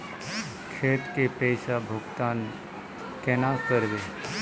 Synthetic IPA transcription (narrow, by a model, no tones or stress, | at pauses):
kʰeːʈ̪kepɛːsabʱʊɡt̪aːn | kɛnakəɾʋeː